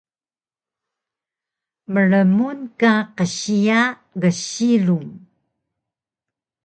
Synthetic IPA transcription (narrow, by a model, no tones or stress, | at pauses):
məɻəmunkaqəɕia | ɣəɕiluŋ